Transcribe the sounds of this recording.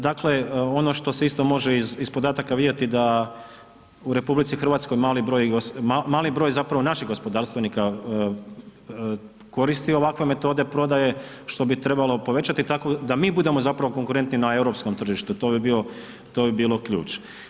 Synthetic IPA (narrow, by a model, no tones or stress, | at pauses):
d̪akle̞o̞no̞ʃt̪o̞seist̪o̞mo̞ʒe̞izispo̞d̪aːt̪akaʋid̪jet̪id̪a | uɾe̞publit̪sixr̩ʋaːt̪sko̞jmaːlibɾojɡosamaːlibɾo̞jzapɾaʋo̞naʃixɣɡo̞spo̞d̪aːɾst̪ʋe̞niːka | ko̞ɾist̪io̞ʋakʋe̞me̞t̪o̞d̪e̞pɾo̞d̪aje̞ | ʃt̪o̞bit̪ɾe̞balˠo̞po̞ʋe̞t͡ɕat̪it̪ako̞d̪amiːbud̪e̞mo̞zapɾaʋo̞ko̞ŋkuɾe̞nt̪ninae̞wɾo̞psko̞mt̪r̩ʒiʃt̪ut̪o̞bibio̞ | t̪o̞ːbibiːlˠo̞kʎṵːt͡ʃ